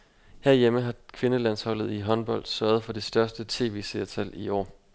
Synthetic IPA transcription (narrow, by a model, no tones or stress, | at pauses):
hæɐ̰jeməɦɑ̈kʰʋe̝nəlæn̰shɒ̽l̰ð̩ˠiɦɒ̽nb̥ɒ̽l̰d̥sɶɐð̞̩ˠfɒ̽d̥e̝sd̥ɶɐsd̥ət͡sʰe̝̰ːʋe̝̰ːseɐt͡sʰæliɒ̰ː